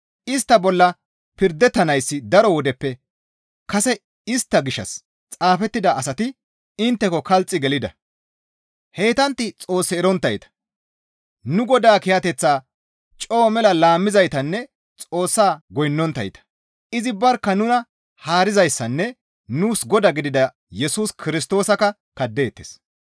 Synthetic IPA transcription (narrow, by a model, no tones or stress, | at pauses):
ɪst̪ːɐbɔlːɐ | pɪɾd̪ɛt̪ːɐnɐjsːɪd̪ɐɾɔwɔd̪ɛpːɛ | kɐsɛ | ɪst̪ːɐɡɪʃːɐ̰s | t͡sʼaːfɛt̪ːɪd̪ɐʔɐsɐt̪ɪ | ɪnt̪ːɛkɔkɐlt͡sʼːɪɡɛlɪd̪ɐ̰ | he̞ːt̪ɐnt̪ːɪt͡sʼo̞ːsːɛːɾɔnt̪ːɐjt̪ɐ̥ | nʊɡɔd̪aːkɪjɐt̪ɛt͡sːaː | t͡ʃʼo̞ːmɛlɐlaːmːɪzɐjt̪ɐnːɛ | t͡sʼo̞ːsːaːɡɔjnːɔnt̪ːɐ̰jt̪ɐ̥ | ɪzɪbɐɾkːɐnʊnɐ | haːɾɪzɐjsːɐnːɛ | nuːsɡɔd̪ɐɡɪd̪ɪd̪ɐ | jɛsuːskʰɪɾɪs̬t̪o̞ːsɐkɐ | kɐd̪ːeːt̪ːes